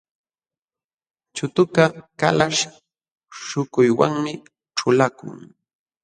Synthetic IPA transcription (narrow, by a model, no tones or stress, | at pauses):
t͡ʃʊt̪ʊkakalaʃ | ʃʊkʊjwaŋmɪ | ʈ͡ʂʊlakʊ̰ŋ